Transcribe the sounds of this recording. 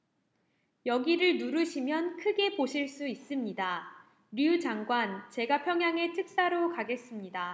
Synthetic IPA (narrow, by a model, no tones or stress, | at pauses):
jʌɡiɾɯɭnuɾɯɕʰimjʌnkʰɯɡe̞poɕʰiɭs͈uis͈ɯmɲida | ɾid͡ʑaŋɡwant͡ɕe̞ɡapʰjʌŋɦjaŋe̞tʰɯk̚s͈aɾokaɡe̞s͈ɯmɲida